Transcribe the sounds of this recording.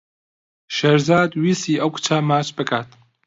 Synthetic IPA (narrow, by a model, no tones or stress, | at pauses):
ʃeɾzaːd̪wiːsiːʔɐwkʰu̥t͡ʃʰamaːt͡ʃbɨkʰaːt̪